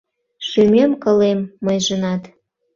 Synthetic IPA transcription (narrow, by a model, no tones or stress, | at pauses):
ʃymemkə̆lemːəjʒənɑt̪